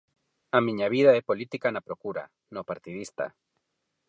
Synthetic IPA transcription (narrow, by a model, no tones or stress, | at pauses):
amĩɲaβiðaepo̞lit̪ikanapɾo̞kuɾa̰ | nopaɾt̪iðist̪a̰